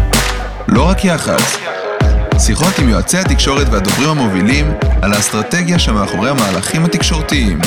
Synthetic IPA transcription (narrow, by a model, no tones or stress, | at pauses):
lo̞ʁakjaχa̰d | t͡siχo̞t̪imjoat͡sehat̪ikʃo̞ʁet̪vead̪ovʁimhamo̞vilimalast̪ʁat̪e̞ɡjaʃemeaχo̞ʁe̞jhamaːlaχimhat̪ikʃo̞ʁt̪iim